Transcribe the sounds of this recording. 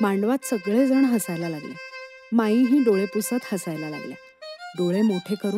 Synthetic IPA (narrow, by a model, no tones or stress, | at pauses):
maɳɖʋat̪səɡɭed͡zəɳɦəsajlalaɡlḛ | maiɦiːd̪oɭepusət̪həsajlala̰ɡlja̰ | d̪oɭemoʈʰekəɾuː